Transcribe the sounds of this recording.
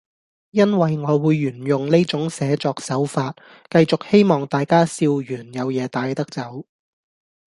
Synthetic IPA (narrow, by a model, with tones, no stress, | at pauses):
jɐ˥nwɐ˨jŋɔː˨˧wuː˨˧jːyː˨˩njʊ˨ŋle˥jt͡sʊ˨˥ŋsɛː˨˥t͡sɔː˧k̚sɐ˨˥wfaː˧t̚ | kɐ˧jt͡sʊ˨k̚he˥jmɔː˨˩ŋt̪aː˨jkaː˥siː˧wjyː˨˩njɐ˨˧wjɛː˨˧t̪aː˧jt̪ɐ˥k̚t͡sɐ˨˥w